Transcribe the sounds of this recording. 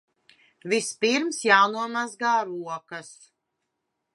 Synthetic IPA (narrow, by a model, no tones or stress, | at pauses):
vispiɾmsjaːnuɔmazɡaːɾuɔkɐs